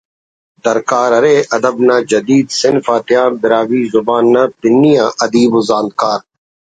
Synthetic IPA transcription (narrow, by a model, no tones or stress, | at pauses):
d̪əɾkaːɾɐɾeːʔɐd̪əbnaːd͡ʒɐd̪iːd̪sɪnfaːt̪ɪjaːnb̪ɪɾaːʋiːzʊbaːnːapɪnːijãːʔɐd̪iːboːzãːnd̪̚kaːɾ